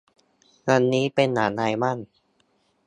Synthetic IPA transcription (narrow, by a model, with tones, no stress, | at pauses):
ŋa˧nːiː˦˥pe˧nːaː˩˦naː˧jma˥˩n